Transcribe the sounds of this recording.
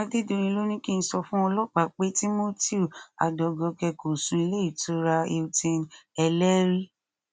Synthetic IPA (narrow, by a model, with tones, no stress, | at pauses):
a˧de˦do˧ɾ̃ĩ˧lo˦nĩ˦ki˦n̩˧˦sɔ˧fũ˦ɔ˧lɔ˦k͡pa˨k͡pe˦ti˦mo˦ti˦u˨a̰˨dɔ˨ɡɔ˧kɛ˧ko˨sũ˧i˧le˦i˦˨to˦ɾa˧e˧u˧tĩ˧nɛ˧lɛ˦ɾi˦